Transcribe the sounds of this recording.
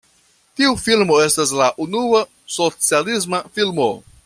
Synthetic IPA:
tiufilmo̞e̞stas̬laʔunua | so̞t͡sialis̬mafilmo̞

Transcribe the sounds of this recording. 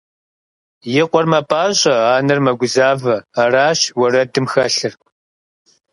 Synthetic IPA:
jɪqʷɔrmɐpʼaːɕʼɐaːnɨrmɐɡʷʊzaːvɐːraːʃwɐɾɐdɨmxɐɬɨr

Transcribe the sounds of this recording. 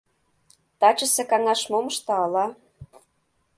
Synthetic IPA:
t̪ɑt͡ɕə̆sĕkɑŋɑʃmoməʃt̪ɑɑlɑ

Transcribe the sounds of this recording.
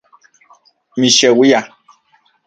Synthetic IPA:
mĩʃɛwija

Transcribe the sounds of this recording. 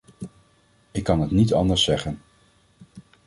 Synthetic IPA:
ɪkːɑnətnitɑ̰ndəɹsːɛχən

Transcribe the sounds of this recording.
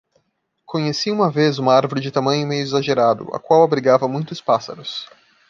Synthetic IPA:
kʰõɲesiũmɐvezũmɐaɾvoɾɪd͡ʒɪt̪amɐ̃ɲʊmejʊizaʒeɾad̪ʊ̰ʔa̰kwawabɾiɡavɐmũj̃t̪ʊspasɐ̰ɾʊs

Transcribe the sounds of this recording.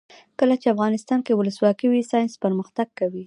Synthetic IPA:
kəlat͡ʃeafɣɑnɪst̪ɑnkewʊləswɑkəwisɑjɪnspəɾməxt̪aɡ̚kawi

